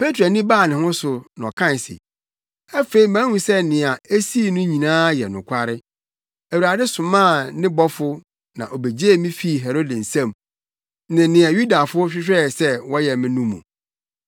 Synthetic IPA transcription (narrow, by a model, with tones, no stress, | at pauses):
pe˦tʰɾo˨nĩ˦baː˦˨nɪ̃˨hʊ̃˦sʊ˨nɔ̰̃˨kʰã˦˨n˨sɪ̰˨ | ɛ˦fe˦i˨mæ̃˦hũ˦sɛ˦nɪ̃˨a˨e˦si˦˨nʊ̃˦ɲĩ˨nãː˦jɛ˨nʊ̰̃˨kʷʰa˦ɾɪ˦ | æ˨wu˨ɾa˨dɪ˦sʊ̃˨mã˦˨nɪ̃˦bɔ˦fʊ˦ | nã̰˨ʔɔ˨be˨d͡ʑe˦˨mĩ˦fi˦˨ɦɛ˨ɾo˦dɪ˨n̩˨sɛ̃˦˨m | nɪ̃˨nɪ̃˨a˨ju˦da˨fʊ˦ɔ˦ɕᶣɪ˦ɕᶣɛ˦˨sɛ˦wɔ˦jɛ˨mɪ̃˦nũ˦mṵ̃˨